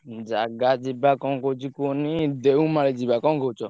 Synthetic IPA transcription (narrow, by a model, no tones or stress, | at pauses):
d͡ʒaɡad͡ʒibakɔ̃kod͡ʒikonĩd̪eũmãɾed͡ʒibakɔ̃kot͡ʃɔ